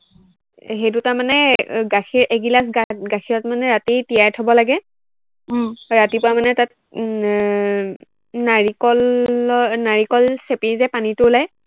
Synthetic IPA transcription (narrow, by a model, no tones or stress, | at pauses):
ɦejtʊtaɹmanɛɡaxʰiɹʔeɡilas̬ɡatɡaxʰijɔtmanɛɹatitijajtʰɔbɔlaɡɛ | ɹatipʊɹamanɛtat̚ | naɹikɔl | naɹikɔlsepizɛpanitʊʊlaj